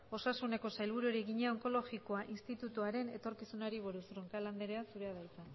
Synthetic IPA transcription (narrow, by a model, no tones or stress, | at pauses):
o̞sasune̞ko̞sajlβ̞uɾuɾeɣiɲeoŋko̞lo̞ɣiko̞aʔinst̪it̪ut̪uaɾe̞ne̞̰t̪o̞ɾkisunaɾiβ̞oɾusruŋkaland̪eɾe̞asuɾe̞aðajt͡s̪a